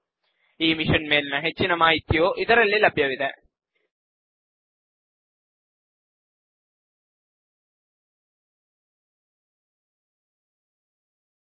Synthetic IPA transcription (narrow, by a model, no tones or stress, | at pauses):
iːmiʂɐnmeːlnɐɦet͡ɕːinɐmaːjit̪ːjoːʔiðɐrelːilɐbʱjɐʋiðɐ